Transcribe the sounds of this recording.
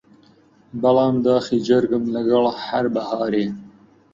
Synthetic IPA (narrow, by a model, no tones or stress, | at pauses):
bɐlɑːmd̪ɑːxid͡ʒɐɾɡəmlɐɡɐɭhaɾbɐhɑːɾeː